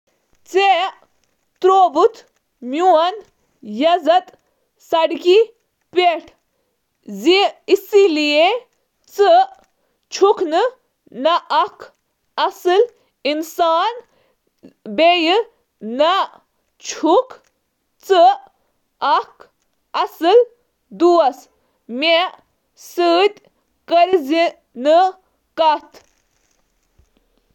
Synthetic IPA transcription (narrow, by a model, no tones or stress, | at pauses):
t͡se | t̪ɾoːbut̪ʰ | mjuɐn | jɐzɐt̪ | sɐɽki | peʈʰ | ziisilie | t͡sɨ | t͡ʃʰukʰnɨ | nɐʔɐkʰ | ɐsɨl | insaːn | bejɨ | nɐ | t͡ʃʰuk | t͡sɨ | ɐk | ɐsɨl | d̪uɐs | me | səːt̪ʲ | kəɾzi | nɨ | kɐt̪ʰ